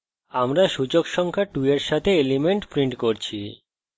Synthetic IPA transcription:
amɾaʃud͡ʑokʃɔŋkʰaʈueɾʃat̪ʰeelimeɳʈpɾiɳʈkoɾt͡ɕʰi

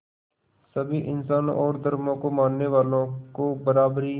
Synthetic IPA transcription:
səbʱiːʔɪnsaːnɔːɾd̪əɾmõːkoːmãːnːeːʋaːlõːkoːbəɾaːbɾiː

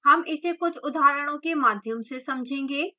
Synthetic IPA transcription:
hɐmɪsekʊt͡ʃʰʊd̪aːɾəɽ̃õkemaːd̪ʱjəmsesɐmd͡ʒʱẽːŋɡeː

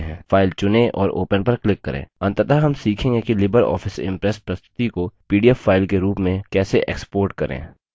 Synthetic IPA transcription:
ɦɛ̃ːfʰaːɪlt͡ʃʊnẽʔɔ̰ːɾo̰ːpənpɐɾklɪkːɐɾʔḛ̃ːɐ̃nt̪ət̪aɦɐmsiːkʰẽŋɡekilɪbəɾɔ̰ːfʰɪsɪ̰̃mpɾɛspɾɐst̪ʰɪ̥t̪ikopiːɖijəfːaːɪlkeɾuːpmẽkɛːseʔḛːkspoːɾʈkɐɾʔḛ̃ː

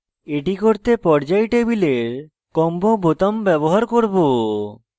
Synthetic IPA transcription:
eʈikoɾt̪epɔɾd͡ʑajʈebileɾ | kɔmbobot̪ambɛboɦaɾkoɾbo

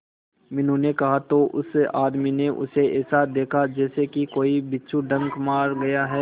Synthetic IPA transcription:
mɪnɦũnekɐɦat̪oʔʊ̰saːd̪mineʔʊ̰seɛːsad̪eːkʰad͡ʒɛːsekikoːibɪtːʃʰuɖɐ̃ŋkmaːɾɡɐjaɦɛː

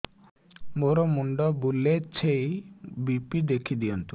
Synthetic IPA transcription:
moɾɔmuɳɖɔbulet͡ʃʰejbipid̪ekʰid̪iɔnt̪u

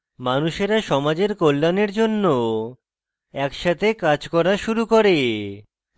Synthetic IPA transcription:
manuʃeɾaʃɔmad͡ʑeɾkolːaneɾd͡ʑonːo | ɛkʃat̪ʰekad͡ʑkɔɾaʃuɾukoɾe

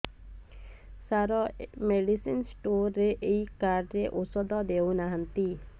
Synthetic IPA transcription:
saɾɔmeɖisinsʈoɾːeʔejkaɖɾeʔosɔd̪ɔd̪ewnaɦant̪i

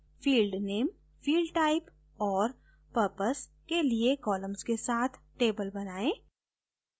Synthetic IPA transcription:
fiːlɖneːm | fiːlɖʈaːɪp | ɔːɾ | pəɾpəs | keliekɔːlə̃mzkesaːt̪ʰʈeːbəlbɐnaːẽː

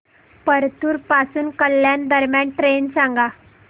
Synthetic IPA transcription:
pəɾt̪ʰuːɾpasuːnkəljand̪əɾmjaɳʈɾensãŋɡa

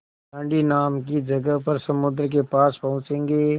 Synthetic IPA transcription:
tə̃ːɳɖinaːmk̬id͡ʒɐɡəɦpɐɾsɐmʊd̪ɾk̬epaːspɐɦʊ̃t͡ʃẽːŋɡeː

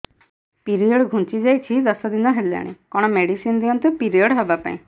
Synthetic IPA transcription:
piɾiɔɽɡʱũnt͡ʃid͡ʒajt͡ʃʰid̪ɔsɔd̪inɔɦela̰ɽ̃ḭkɔɽ̃ɔmeɽisind̪iɔnt̪upiɾiɔɽɦɔbapa̰ĩ

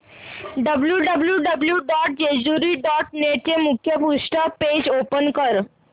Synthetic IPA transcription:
ɖəbljuɖəbljuɖəbljuɖɔʈ̚d͡ʑed͡ʑuɾiɖɔʈneʈ̚t͡ɕemukʰːjəpuʂʈəped͡ʑopənkəɾ

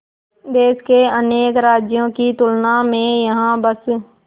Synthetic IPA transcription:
d̪eːskeəneːkɾaːd͡ʒjõkit̪ʊlnamẽjɐɦãbəs

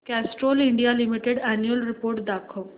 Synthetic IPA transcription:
kɛsʈɾoliɳɖijalimiʈeɖɛnjuəlɾipoːɾʈd̪akʰəʋ

